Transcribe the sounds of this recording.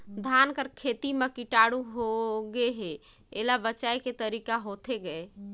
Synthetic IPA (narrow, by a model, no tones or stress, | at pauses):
d̪ʱankəɾkʰet̪imekiʈaɽuɦoɡeɦe | elabət͡ʃaeket̪əɾikaɦot̪ʰeɡɛe